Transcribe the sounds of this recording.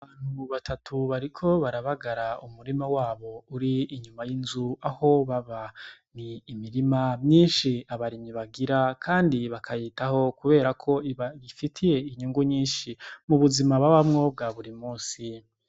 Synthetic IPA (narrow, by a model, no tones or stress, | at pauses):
βaβaːn̥huβatʰatʰuβaɾikʰo̞βaɾaβaɡaɾaumuɾimawaːβo̞uɾiːɲumajinzuaho̞βaβaniːmiɾimamɲiːnʃiaβaɾimiβaɡiɾakʰaːndiβakʰajitaho̞kuβe̞ːɾakʰo̞iβajifitʰije̞iɲuŋɡuɲiːnʃimuβuzimaβaβamŋo̞b̚ɡaβuɾimuːsi